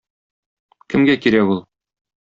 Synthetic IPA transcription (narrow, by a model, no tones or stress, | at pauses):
kɘ̆mɡækiɾækulˠ